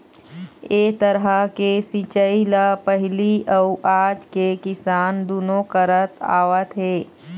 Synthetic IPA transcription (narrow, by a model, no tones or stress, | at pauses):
eːt̪əɾɦəkesit͡ʃəilapəɦɪliʔɐʊʔaːd͡ʒkekɪsaːnd̪uːnokəɾət̪a̰ːʋət̪ɦeː